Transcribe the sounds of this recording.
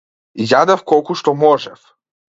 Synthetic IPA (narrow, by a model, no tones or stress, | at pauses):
jad̪afkɔlˠkuʃt̪ɔmɔʒɛf